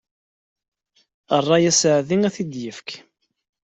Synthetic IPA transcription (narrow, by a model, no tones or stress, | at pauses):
ərˤːɑjæsəʕðiŋæθid̪jəfk